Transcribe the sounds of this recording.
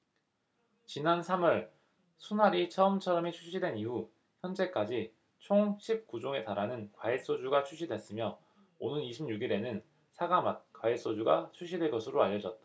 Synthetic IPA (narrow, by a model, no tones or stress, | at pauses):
t͡ɕinansʰamʌɭ | sʰunaɾit͡ɕʰʌɯmt͡ɕʰʌɾʌmit͡ɕʰuɕ͈ʰidwe̞niɦu | çjʌnd͡ʑe̞k͈ad͡ʑi | t͡ɕʰoŋɕʰip̚kud͡ʑoŋe̞taɾanɯnkwais͈od͡ʑuɡat͡ɕʰuɕ̬͈ʰidwe̞s͈ɯmjʌ | onɯniɕʰimɲuɡiɾe̞nɯn | sʰaɡamat̚kwais͈od͡ʑuɡat͡ɕʰuɕ͈ʰidweɭkʌsʰɯɾoaʎːʌd͡ʑʌt̚t͈a